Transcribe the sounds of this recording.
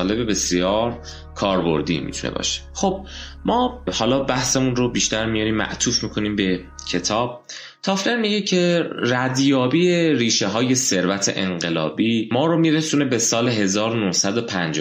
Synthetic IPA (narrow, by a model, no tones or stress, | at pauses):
le̞be̞be̞sijɒːɾ | kʰɒːɾbo̞̰ɾd̪ḭːmḭt̪ʰunḛbɒ̰ːʃe̥χob̥̚ | mɒːhɒːlɒːbæhsemunɾobiːʃt̪æɾmijɒɾiːmːæ̰ʔt̪ʰuːfmiːkʰo̞niːmbe̞ | cʰe̞t̪ʰɒːb̥̚ | t̪ʰɒːfleɾmiːɟecʰe̞ræd̪jɒːbijeɾiːʃe̞ɦɒːje̞se̞ɾvæt̪ʰe̞̰ʔeŋɢelɒ̰ːbiːmɒːɾomiɾesune̞besɒːle̞ɦe̞zɒːɾonuhsæd̪o̞pʰænd͡ʒ